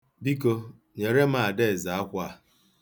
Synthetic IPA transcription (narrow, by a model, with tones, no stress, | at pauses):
bi˦ko˦ | ɲe˨ɾe˦m˦a˦˨a˨de˦e˨za˨a˦kʷa˦˨